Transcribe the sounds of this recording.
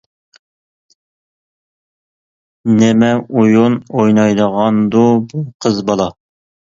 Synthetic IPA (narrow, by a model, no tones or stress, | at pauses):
nɪmɛujunojnɑjd̪əʁɑnd̪ubuqʰəzbɑlˠɑ